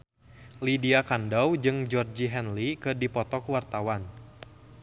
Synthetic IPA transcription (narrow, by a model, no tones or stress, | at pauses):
lidiakandawd͡ʒɨŋd͡ʒɔrd͡ʒiɦɛnlikɨdipɔt̪ɔkwart̪awan